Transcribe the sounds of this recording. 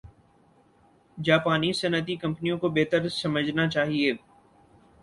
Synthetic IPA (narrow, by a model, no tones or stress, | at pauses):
d͡ʒaːpaːnisɐnət̪̬ikɐ̃mpənijõkobeːt̪əɾsɐməd͡ʒʱnat͡ʃaːɦieː